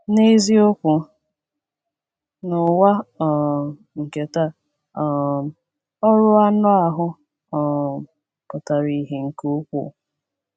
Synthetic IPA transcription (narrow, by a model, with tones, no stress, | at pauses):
ne˦zi˦o˦kʷʊ˨ | nʊ˨wa˦ɔ˨ | ŋ̩˨ke˨ta˦ | ɔ˨ | ɔ˦ɾʊ˦a˦nʊ˦a˨ɦʊ˦ | ɔ˨ | pʊ˨ta˨ɾi˨˦ɦe˨ŋ̩˨ko˦kʷṵ˨